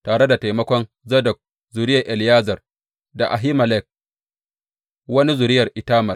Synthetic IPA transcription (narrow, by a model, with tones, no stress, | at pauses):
taː˨ɽe˦da˨ta˨jmɐ˦kʷɔ˦n | zɐ˦dɐ˨k̚ | zʊ˨ɾɪ˦ja˨ʔɛ˨ljaː˦zɐ˨r | da˨ʔa˨ɦi˦mɐ˨lɛ˦k̚ | wɐ˦ni˦zʊ˨ɾɪ˦jɐ˨rʔɪ˨taː˦mɐ˨